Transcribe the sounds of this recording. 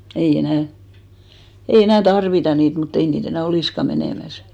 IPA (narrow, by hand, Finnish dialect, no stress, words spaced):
ei enæˑ ei enæˑ tɑrʋitɑ niːt mutː ei niːt enæˑ oliˑskɑ meneˑmæs